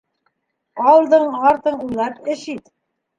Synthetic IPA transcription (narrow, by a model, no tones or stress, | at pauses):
ɑl̆lˠd̪ɤɴɑɾt̪ɤɴujlˠɑpɘ̆ʃit̪